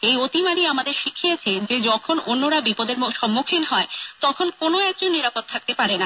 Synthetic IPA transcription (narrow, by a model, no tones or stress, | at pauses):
ejot̪imaɽiamad̪eɾʃikʰiet͡ɕʰed͡ʑed͡ʑɔkʰononːoɾabipod̪eɾʃɔmːukʰinɦɔet̪ɔkʰonkonoɛk̚d͡ʑonːiɾapot̪ʰːak̚t̪epaɾena